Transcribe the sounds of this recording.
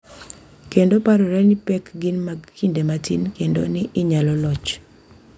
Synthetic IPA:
kendopaɾɔɾɛnɪpɛkɡɪnmaɡkindematʰḭnkendo̰nɪʔɪɲalɔlɔt͡ʃ

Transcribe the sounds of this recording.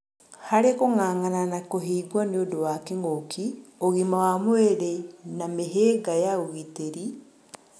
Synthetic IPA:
haɾekoŋaːŋananakoɦiːɡwɔneodowakeŋokʰioɣimawamweɾenameɦeːɡajaoɣiteɾi

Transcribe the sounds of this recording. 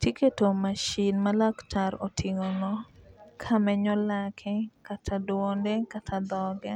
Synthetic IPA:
tiketomaʃinmalaktʰaɾotʰɪŋonɔkʰamɛɲɔlakʰɛkatʰadwondekatʰad̪ɔɡɛ

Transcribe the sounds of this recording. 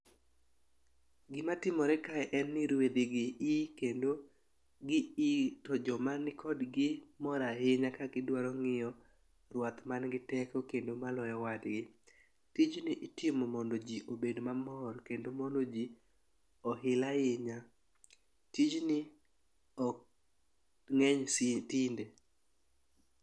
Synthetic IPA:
ɡɪmatɪmɔɾɛkaɛʔɛnːɪɾwed̪ɪɡɪikendo | ɡɪitɔd͡ʒɔmanɪkʰɔdɡɪmɔɾaɦɪɲakakɪdwaɾɔŋɪjɔ | rwat̪manɡɪtɛkɔkendomalɔjɔwadɡɪ | tid͡ʒnɪʔɪtɪmɔmɔndod͡ʒiʔobedmamɔrkendomɔndod͡ʒi | ɔɦɪlaɪɲa | tid͡ʒnɪ | ɔ | ŋɛɲstɪnde

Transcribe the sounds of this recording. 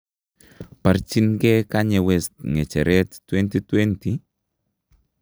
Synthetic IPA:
paɾt͡ʃinɡɛkaɲɛwɛst̪ŋɛt͡ʃɛɾɛttwɛnt̪it̪wɛnti

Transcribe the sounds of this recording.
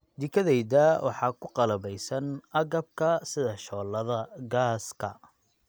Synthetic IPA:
d̪ɪkʰɐðɛjdɐwʔɑ̰ħɑːkʰʊqɑlɐβɛjsɐnɐɣɐb̚kʰɐsɪðɐʃɔːlːɐðɐɡaːskʰɐ

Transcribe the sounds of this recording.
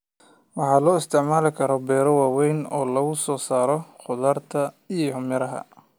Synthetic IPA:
wɑħɑːlɔːɪst̪ʰɪʕmaːlɪkʰɐɾɔbɛːɾɔwaːwɛjnɔːlɐɣʊsɔːsaːɾɔχʊðaːrt̪ʰɐ | ijɔhʊmjɐɾɐɦɐ̰

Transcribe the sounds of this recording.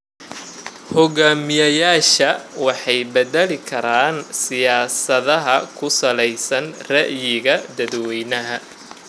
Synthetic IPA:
hɔɣaːmɪjɐjaːʃɐwɑħɑjbɛðɛlɪkʰɐɾaːnsɪjaːsɐðɐɦɐkʰʊsɐlɛjsɐnrɛʔjɪɣɐd̪ɐðwɛjnɐɦɐ

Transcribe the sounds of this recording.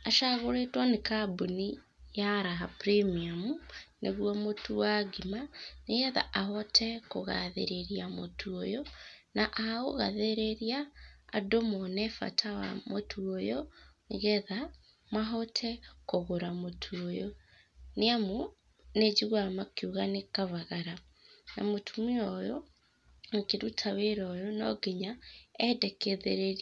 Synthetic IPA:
aʃaɣoɾetwanekaboni | jaɾaɦapɾimiamuneɣuamotuwaɡimaneɣɛða̰ʔaɦɔtʰɛkoɣa̰ðḛɾeɾiamo̰tʰuojonaʔaoɣaðeɾeɾiaːdomɔnɛfa̰tʰawa̰motʰuojo | ɣɛða | maɦɔtʰɛkoɣoɾamotʰuojo | neamu | ned͡ʒiɣwamakiuɣanekaβaɣaɾa | na̰motʰumiɔjo | nekeɾutʰaweɾɔjonɔɡeɲaɛdɛkeðeɾeɾ

